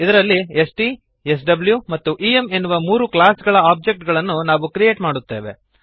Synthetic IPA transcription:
id̪ɐɾɐlːiesʈi | es̬ɖɐbljumɐt̪ːuʔiːeme̞nːuʋɐmuːɾuklaːsɡɐɭɐaːb̚d͡ʒe̞k̚ʈɡɐɭɐnːunaːʋukɾijeːʈmaːɽut̪ːe̞ːʋe̞

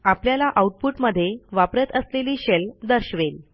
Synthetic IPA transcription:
apljalaʔauʈ̚puʈməd̪ʱːjeʋapɾət̪əsleliːɕeld̪əɾɕʋel

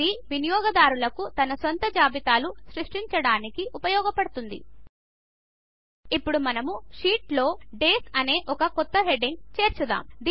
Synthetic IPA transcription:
iʋinijɔːɡɐd̪aːɾulɐkut̪ɐnɐsont̪ɐd͡ʒaːbit̪aːluʃɾiʂʈiɲt͡ʃɐɽaːnikiʔupɐjɔːɡɐpɐɽut̪und̪ḭ | ipːuɽumɐnɐmuʂiːʈlo̞ːɖe̞ːsɐne̞ːʔɔkɐkɔt̪ːɐɦe̞ɖiŋɡt͡ʃe̞ːɾt͡ʃud̪a̰ːmd̪

